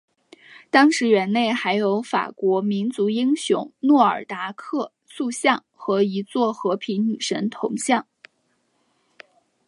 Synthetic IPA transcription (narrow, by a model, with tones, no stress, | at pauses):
t̪ɑ˥ŋʂɻ̩˧˥ɥɛ˧˥nne˥˩ɪxa˧˥ɪjo˧˥ʊfa̰˨˩kwɔ˧˥mi˧˥nt͡su˧˥i˥ŋɕjʊ̰˧˥ŋnwɔ˥˩ə̰˞˨˩t̪a˧˥kʰɤ˥˧ | su˥˧ɕjɑ˥˩ŋxɤ˧˥i˧˥t͡swɔ˥˩xɤ˧˥pʰi˧˥nny˨˩ʂə˧˥nt̪ʰʊ˧˥ŋɕjɑ˥˩ŋ